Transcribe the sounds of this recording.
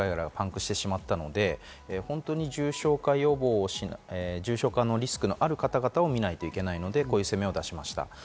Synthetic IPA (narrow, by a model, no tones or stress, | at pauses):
aiɡaɾaɡapãŋkɯ̟ɕi̥t̪e̞ɕimat̪ːano̞d̪e̞ | ehõ̞nt̪o̞ːɲ̟iʑɨːɕo̞ːkaio̞bo̞ːɕineʑɨːɕo̞ːkanːo̞ɾʲisɨ̥kɯ̟no̞ʔaɾɯ̟kat̪aɡat̪ao̞mʲinait̪o̞ike̞naino̞d̪e̞koːjɯse̞me̞o̞d̪aɕimaɕi̥t̪a̰